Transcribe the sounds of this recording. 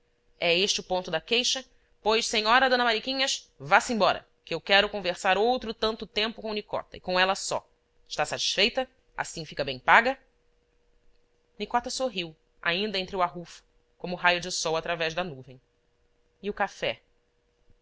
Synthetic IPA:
ɛeʃt͡ʃɪʊpõnt̪ʊd̪ɐkejʃɐ | pojʃsẽɲɔɾɐd̪õnɐmaɾikĩɲɐsvasẽbɔɾɐ̰ | kɪewkɛɾʊkõveɾsaɾowt̪ɾʊt̪ɐ̃nt̪ʊt̪ẽmpʊkõʊnikɔ̰t̪ɐɪkõɛlɐsɔ̰ | ɪʃt̪asat͡ʃi̥sfejt̪ɐ | a̰sĩfikɐbẽj̃paɡɐ | nikɔt̪ɐsoɦiw | a̰ĩnd̪ɐẽnt̪ɾɪʊaɦufʊ̥ | kõmʊɦajʊd͡ʒɪsɔwat̪ɾavɛʒd̪ɐnuvẽj̃ | ɪʊkafɛ

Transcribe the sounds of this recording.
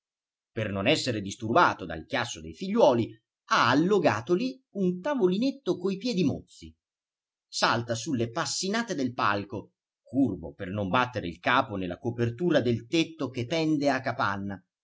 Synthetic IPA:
pernonɛsːeɾed̪ist̪urbaːt̪od̪a̰lk̟jasːod̪ejfiʎːwɔːli | aːlːoɡaːt̪oliunt̪avolinet̪ːokoipjɛːd̪imot̪sːi | salt̪asulːepasːinaːt̪ed̪elpa̰lko | kurbo̰pernombat̪ːeɾeilkaːponelːa̰kopert̪uːɾad̪elt̪et̪ːokepːɛnd̪eakːapanːa

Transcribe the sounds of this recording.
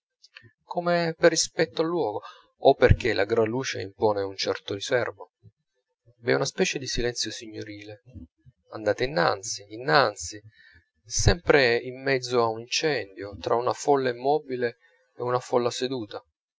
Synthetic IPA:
komeperːispɛt̪ːoalːwɔːɡo | opːerk̟elʔaɡɾanlːuːt͡ʃḛḭmpɔːneunt͡ʃɛrt̪orisɛrmo | vɛ̰unaspɛːt͡ʃed̪isilɛnt̪sjosiɲːoɾiːle | and̪aːt̪einːa̰nt̪siːnːant̪si | sɛmpɾeimːɛd̪zːoaunint͡ʃɛnd̪jot̪ɾʔa̰unafɔlːaimːɔːbile | eunafɔlːased̪uːt̪a

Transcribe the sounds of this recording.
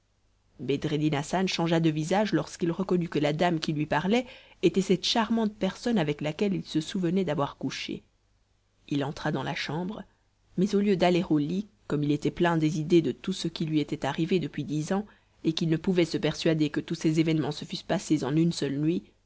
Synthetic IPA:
bed̪ʁed̪inasanʃɑ̃ʒad̪əvizaʒlɔʁskilʁəkɔnykəlad̪amkʲilɥipaʁlɛ | et̪ɛsɛt̪ʃaʁmɑ̃t̪̚pɛʁsɔnavɛklakʲɛlilsəsuvənɛd̪avwaʁkuʃḛ | ilɑ̃t̪χad̪ɑ̃la̰ʃɑ̃bʁ | mɛzoljød̪aleʁolikɔmilet̪ɛplɛ̃d̪ezid̪ed̪ət̪usəkʲilɥiet̪ɛt̪aʁived̪əpɥid̪izɑ̃ | ekilnəpuvɛsəpɛʁsɥad̪ekət̪usezevɛnmɑ̃səfyspasezɑ̃nynsœlnɥi

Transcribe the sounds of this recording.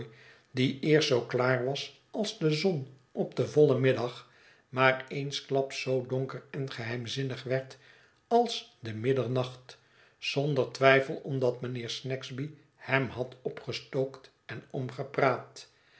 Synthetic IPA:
diɪːɹstsowklaːɹʋɑs | ɑlˠzdəzɔn | ʔɔp̚dəvɔlˠəmɪdɑχ | maːɹejnsklɑpsːowdɔŋkərɛnχəɦɛjmzɪnəχʋɛɹt | ɑlˠsdəmɪdəɹnɑχt | z̥ɔndəɹtʋɛjfəlˠɔmdɑtmənɪːɹsnɛkzbi | hɛmɦɑtɔpχəstowkt | ɛnɔmχəpraːt

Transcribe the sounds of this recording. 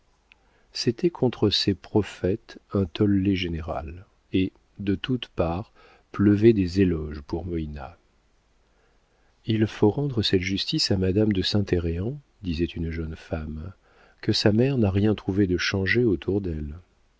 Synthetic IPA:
set̪ɛkʰɔ̃t̪χəsepχɔfɛt̪ɛ̃t̪ʰɔlːeʒeneʁa̰l | e | d̪ət̪ut̪paʁ | pləvɛd̪ezelɔʒpuʁmɔina̰ | ilfoʁɑ̃d̪ʁəsɛt̪ʒyst̪isamad̪amd̪əsɛ̃t̪eʁeɑ̃ | d̪izɛt̪ynʒənfam | kəsamɛʁnaʁjɛ̃t̪χuved̪əʃɑ̃ʒeot̪ʰuʁd̪ɛl

